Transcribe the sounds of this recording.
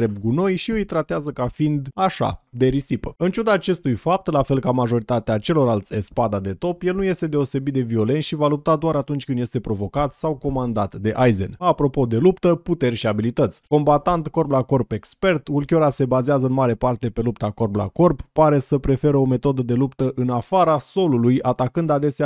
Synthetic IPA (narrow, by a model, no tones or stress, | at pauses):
ɾep̚ɡuno̞jʃiɨjt̪ɾat̪eazəkafind̪aʃa̰d̪e̞ɾisipəɨnt͡ʃud̪aːt͡ʃe̞st̪ujfap̚t̪lafe̞lkamaʒo̞ɾit̪at̪eat͡ʃe̞lo̞rlalt̪sʲespad̪ad̪e̞t̪o̞pje̞lnuje̞st̪e̞d̪e̞o̞se̞bit̪̚d̪e̞vio̞le̞nʃivalup̚t̪ad̪oaɾat̪unt͡ʃʲkɨnd̪je̞st̪e̞pɾo̞vo̞kat̪sawko̞mand̪at̪d̪e̞ʔajzḛnapɾo̞po̞d̪e̞lupt̪əput̪e̞rʲʃiabilit̪ət̪sʲko̞mbat̪ant̪ko̞rplako̞rpe̞kspe̞rt̪ulkʲo̞ɾase̞bazeazəɨnmaɾe̞part̪e̞pe̞lup̚t̪ako̞rbla̰ko̞rpːaɾe̞səpɾe̞fe̞ɾəo̞me̞t̪o̞d̪əd̪e̞lupt̪əʔɨnafaɾaso̞lulujat̪akɨnd̪ad̪e̞sea